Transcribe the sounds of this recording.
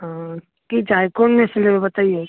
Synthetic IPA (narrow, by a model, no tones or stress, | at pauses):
ɦã | kid͡ʒaːjkoːnmẽselebebɐt̪aːie